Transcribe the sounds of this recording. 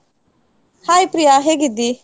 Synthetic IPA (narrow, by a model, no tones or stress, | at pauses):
haːipɾijaɦeɡɪd̪iː